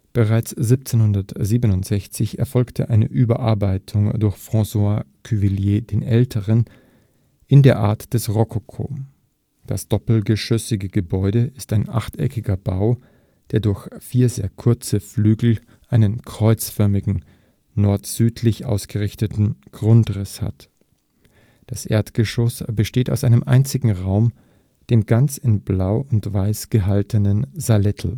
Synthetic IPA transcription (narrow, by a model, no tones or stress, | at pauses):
b̥əʁaɪt͡sz̥ip̚t͡seːnhʊndɐtziːbənʊntz̥ɛçt͡sɪçɛ̰ɐfɔlktʰəʔaɪnəʔyːbɐʔaɐbaɪtʰʊŋdʊɐçfʁ̥ɑ̃swa | kʰyviljeːdeːnʔɛltʰəʁən | ʔɪndeːɐʔa̰ɐtd̥ɛsʁɔkʰokʰo̰ː | d̥asd̥ɔpl̩ɡəʃʏsɪɡəɡəbɔʏɾəɪstaɪnʔa̰χtʔɛ̰kɪɡɐbaʊ | d̥eːɐdʊɐçfiːɐzeːɐkʰʊɐt͡səflyːɡl̩ | ʔaɪnənkʁ̥ɔʏt͡sfœɐmɪɡŋ̩ | nɔɐtz̥yːtʰlɪçʔa̰ʊsɡ̥əʁɪçtətn̩ɡ̥ʁʊntʁɪsha̰t | d̥asʔḛːɐtɡ̥əʃɔsbəʃteːtaʊsʔaɪnəmʔa̰ɪnt͡sɪɡŋ̩ʁaʊm | d̥eːmɡant͡sɪnblaʊʊntv̥aɪsɡ̥əɦaltənənzalɛtʰl̩